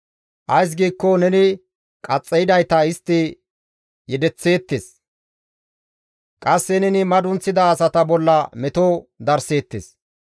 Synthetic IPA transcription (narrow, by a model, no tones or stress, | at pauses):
ʔɐjs̬ɡiːkːɔnɛnɪ | kʼɐt͡sʼːɛjɪd̪ɐjt̪ɐɪst̪ːɪ | jɛd̪ɛt͡sːe̞ːt̪ːes | kʼɐsːɛnɛnɪmɐd̪ʊnt͡sːɪd̪ɐːsɐt̪ɐbɔlːɐmɛt̪od̪ɐɾse̞ːt̪ːḛs